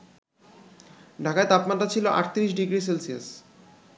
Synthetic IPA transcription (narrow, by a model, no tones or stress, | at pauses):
ɖʱakaet̪apmatːɾat͡ɕʰiloʔa̰ʈt̪iɾiʃɖiɡɾis̬elsia̰s